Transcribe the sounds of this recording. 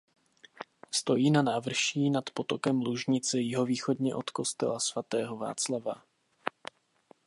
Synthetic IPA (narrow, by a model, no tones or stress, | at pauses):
st̪o̞jiːnanaːvr̩ʃiːnat̪po̞t̪o̞kɛmluʒɲɪt͡sɛjɪɦo̞viːxo̞dɲɛʔo̞t̪ko̞st̪ɛ̰lasvat̪ɛːɦo̞va̰ːt͡slava